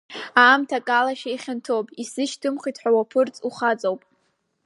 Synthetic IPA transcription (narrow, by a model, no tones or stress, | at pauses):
aːmtʰakʼalaʃaiχʲantʰowpʼisɨʃtʰɨmχitʰħʷᶣawapʰɨrt͡sʼuχat͡sʼowpʼ